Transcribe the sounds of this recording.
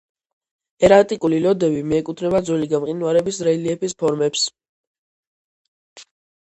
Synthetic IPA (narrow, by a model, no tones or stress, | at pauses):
ɛɾat̪ʼikʼulilɔd̪ɛbimɛɛkʼut̪ʰnɛbad̪zwɛliɡamqʼinuaɾɛbisɾɛliɛpispʰɔɾmɛps